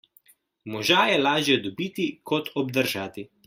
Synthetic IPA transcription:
mɔʒaːjɛlaːʒjɛd̪ɔbiːt̪ikɔt̪ʰɔb̚d̪əɾʒaːt̪i

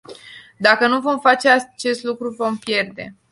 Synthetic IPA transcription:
d̪akənuvo̞mfat͡ʃeat͡ʃe̞st̪lukɾuvo̞mpje̞rd̪e̞̰

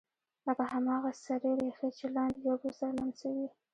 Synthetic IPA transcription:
lakahamɑɣasaɾeɾexet͡ʃelɑnd̪jobosalansawi

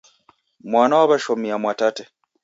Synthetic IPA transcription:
mwaːnawaβaʃomiamwatate

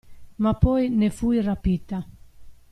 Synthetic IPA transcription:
mapɔjnefujrapit̪a

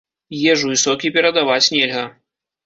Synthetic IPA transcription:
jɛʐuvɨsɔkʲipʲɛɾɐd̪avat͡sʲnʲɛlʲɣɐ

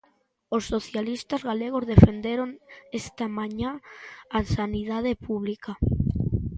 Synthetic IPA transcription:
osːoθjalist̪azɣaleɣ̞ozðefend̪eɾoŋest̪amãɲaː | saniðað̞epuβlika

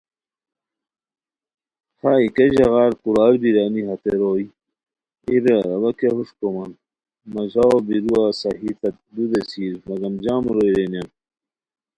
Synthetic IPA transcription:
haːikɐʑɐɣaːɾkuɾaːɾbiɾaːniɦɐt̪eɾoːi | iɾeɾɐbɐkeɦuʂkomɐn | mɐzaobiɾuaːsɐɦifɐt̪̚d̪ud̪esiːɾmɐɡɐmd͡ʑaːmɾoːjɾenjan

